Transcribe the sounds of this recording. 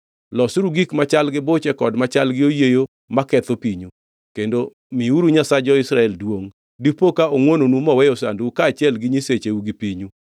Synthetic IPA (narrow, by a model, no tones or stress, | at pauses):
lɔsɾuɡikmat͡ʃalɡɪbot͡ʃɛkɔdmat͡ʃalɡɪojejo | makɛt̪opiɲu | kendo | miuɾuɲasad͡ʒɔɪsɾaɛldwoŋ | dipokaoŋwononumɔwɛjɔsanduukaːt͡ʃjɛlɡɪɲiset͡ʃeuɡipiɲu